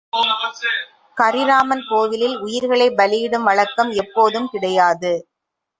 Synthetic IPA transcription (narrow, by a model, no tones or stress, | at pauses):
kɐɾɪɾaːmɐnpoːʋɪlɪlʊjɪɾɣɐɭɐɪbɐlɪjɪɽɯmʋɐɭɐkːɐmɛpːoːðɯmkɪɽɐjaːðɯ